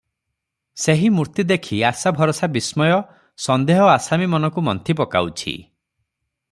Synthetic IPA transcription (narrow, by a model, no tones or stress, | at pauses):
seɦimuɾt̪id̪ekʰiasabʱɔɾɔsabismɔjɔ | sɔnd̪eɦɔasamimɔnɔkumɔnt̪ʰipɔka̰wt͡ʃʰḭ